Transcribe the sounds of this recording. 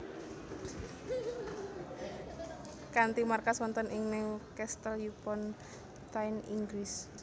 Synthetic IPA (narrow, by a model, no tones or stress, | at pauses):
kant̪imarkaswɔnt̪ɔnʔɪŋnɪŋkɛst̪əljupɔn | t̪ajniŋɡɾis